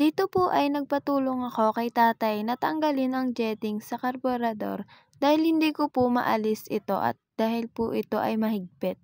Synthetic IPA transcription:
d̪̥iːt̪o̞pʊʔɐjnɐɡ̚pɐt̪uːloŋɐko̞kɐjt̪aːt̪ɐjnɐt̪ɐŋɡɐlɪnɐŋd͡ʒɛːt̪ɪŋsɐkɐɾboɾɐd̪o̞̰ɾ | d̪aːhɪlhɪnd̪iːkopʊmɐ̰ʔɐ̰lɪsʔɪt̪o̞̰ʔɐ̰t̪̚d̪̥aːhɪlpʊʔɪt̪o̞̰ʔɐjmɐɦɪɡ̚pɪt̪̚

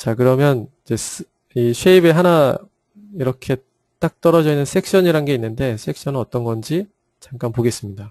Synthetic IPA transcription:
t͡ɕakɯɾʌmjʌnid͡ʑe̞s | iɕʰweibeɦana | iɾʌkʰe̞ | t͈ak̚t͈ʌɾʌd͡ʑʌinːɯnsʰe̞k̚ɕ͈ʌɲiɾanɡe̞inːɯnde̞sʰe̞k̚ɕ͈ʌnɯnʌt͈ʌnɡʌnd͡ʑi | t͡ɕaŋk͈anpoɡe̞s͈ɯmɲida

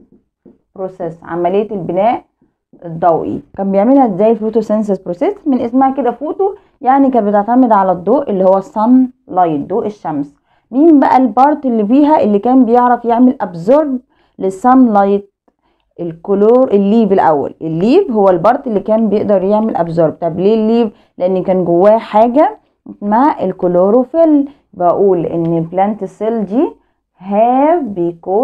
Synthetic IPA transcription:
bɾosesʕa̰mælejːæelbenæːʔ | d̪ˤːɑwʔḭkæmbejeʕmelhæʔezːæːjelfoːt̪usens̬ezbɾosesmenʔesmæhæked̪æfoːt̪o | jaʕnikæːnbet̪eʕt̪æmed̪ʕalæd̪ˤːoːʔʔelːihowːæsˤːɑnlɑjt̪̚d̪oːʔeʃːæms | miːnbæʔælbɑɾˤt̪ˤelːibiːɦæʔelːikæːmbejeʕɾæfjeʕmelʔæbzoɾˤd̪ | lesˤɑnlɑjt̪̚ | ʔelkoloːɾʔelːiːbelʔæ̰wːæ̰lʔelːiːbɦowːælbɑɾˤt̪ˤelːikæːnbejeʔd̪ɑɾˤjeʕmelʔæbzoɾb̚t̪ɑbleːlːiːb | leʔenːkæːnɡowːæːħaːɡæ | maʕelkoloːɾofel | bæʔuːlʔḛnːelblænt̪esˤeld̪iː | ɦæːbejkuː

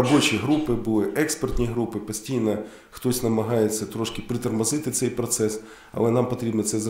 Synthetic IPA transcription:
ɐbot͡ʃijɦɾupɪbʊlˠɪʔɛkspert̪ʲnʲijɦɾupɪpɐsʲtʲijnɐ | xt̪ɔsʲnɐmɐɦɑjet̪sʲɐt̪ɾɔʃkʲɪpɾɪt̪ɐrmɐzɪt̪ɪt̪sɛjpɾɔt̪sɛs | ɐ̰lˠɛnampɐt̪ɾʲibnɐt̪sɛz

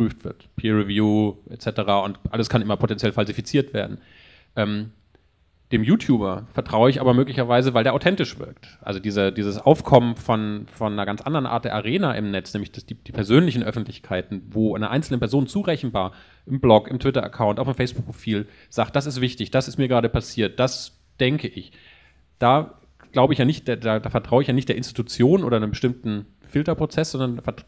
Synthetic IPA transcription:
pʁ̥yːftv̥ɪɐtpʰiːʁɛvjuːʔett͡sɛtəʁaːʊntʔaləskʰanʔɪmɐpʰotɛnt͡sjɛlfalzifit͡siːɐtv̥ḛːɐdn̩ | ʔɛːm | d̥eːmjuːtʰjuːbɐfɛɐtʁ̥aʊəɪçʔa̰ːbɐmøːklɪçɐvaɪzəvaɪldeːɐaʊtʰɛntɪʃv̥ɪ̰ɐk̚tʔa̰lzodiːzədiːzəsʔa̰ʊfkʰɔmənfɔnfɔnːɐɡant͡sʔa̰ndəʁənʔa̰ːɐtd̥eːɐaʁeːnaʔɪ̰mnɛt͡snɛːmlɪçd̥asd̥iːd̥iːpʰɛɐzøːnlɪçn̩ʔœfn̩tʰlɪçkʰaɪtn̩voːaɪnɐʔaɪnsl̩nənpɛɐzoːnt͡suːʁɛçn̩vaːɐ | ʔɪmblɔkɪ̰mtv̥ɪtɐʔa̰kʰaʊntaʊfɪmfɛɪsb̥ʊk̚pʁofiːl | z̥aːk̚t̚d̥as̬ɪstv̥ɪçtɪçd̥asɪstmiːɐɡəʁaːɾəpʰasiːɐt̚d̥as | d̥ɛŋkəʔɪç | d̥aː | ɡ̥laʊbəɪçjaːnɪçtd̥eːdaːdaːfɛɐtʁ̥aʊəɪçjaːnɪçtd̥eːɐʔɪnsti̥tut͡sjoːnʔoːdɐnəmbəʃtɪmtn̩ | fɪltɐpʁ̥ot͡sɛsz̥ɔndɐnafɛɐt

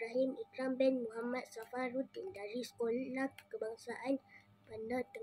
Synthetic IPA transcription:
ɾaɦimikɾambɛnmuɦamãt̪̚safarut̪indaɾiskollakəbaŋsaʔan | pandat̪ə

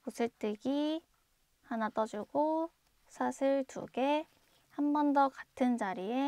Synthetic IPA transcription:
kusʰɯɭt͈ɯɡi | hanat͈ʌd͡ʑuɡo | sʰaɕʰiɭtṵɡe̞ | hambʌndʌkatʰɯnt͡ɕaɾie

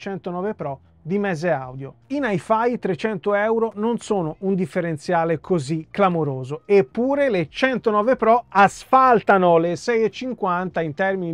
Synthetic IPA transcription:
t͡ʃɛnt̪onɔːvepɾɔ | d̪imɛzea̰wd̪jo̰inajfajt̪ɾet͡ʃɛnt̪oɛwɾononsoːnound̪ifːeɾent̪sjaːlekʰozikːlamoɾoːzoepːuːɾelet͡ʃɛnt̪onɔːvepɾɔasfalt̪anolesɛjet͡ʃːiŋkwant̪aint̪ɛrmini

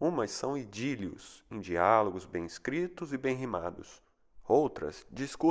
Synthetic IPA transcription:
ũmɐsːɐ̃w̃id͡ʒiljʊ̰sẽd͡ʒialoɡʊzbẽj̃iskɾit̪ʊzɪbẽj̃ɦima̰d̪ʊs | owt̪ɾɐ̰sd͡ʒisku

